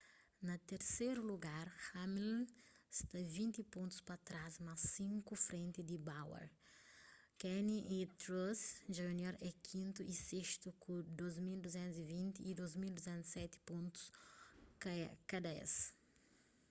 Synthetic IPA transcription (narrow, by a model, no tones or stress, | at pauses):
nɐt̪eɾseɾuluɡaɾhamilst̪ɐvĩnt̪ipõnt̪u̥spɐt̪ɾazmasĩŋkufɾẽnt̪id̪ibawɐ̰ɾ | kɛniʔit̪ɾosʒuunjoɾɛkʰĩnt̪uʔiseʃt̪ukud̪ozmild̪uzɛ̃nt̪uzivĩnt̪iːd̪ozmild̪uzɛ̃nt̪i̥sɛt̪i̥põnt̪u̥skakad̪ɐɛ̰s